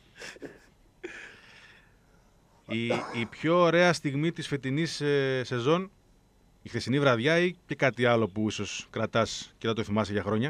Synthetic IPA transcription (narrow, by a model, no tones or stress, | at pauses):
iipço̞ːɾe̞ɐst̪iɣmit̪isfet̪̬inisse̞zo̞n | ixθe̞sinivɾɐðʝɐice̞kɐt̪iɐlo̞puiso̞skɾɐt̪ɐscet̪ɐt̪oθimɐseʝɐxɾo̞ɲɐ